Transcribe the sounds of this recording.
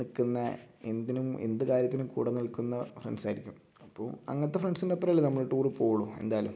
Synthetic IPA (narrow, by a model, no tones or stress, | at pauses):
ikːunːɐend̪inumḛnd̪ɨkaːɾjɐt̪ːinumkṵːɽɐnilkːunːɐfrḛɳɖsaːjiɾikʲːum | ɐpːo̰ːɭɐ̰ŋːɐt̪ːefreɳɖsinɖepːɐɾɐːlːenɐmːɐɭɨʈːuːrɨpo̞ːɭue̞̰nd̪aːɐlṵm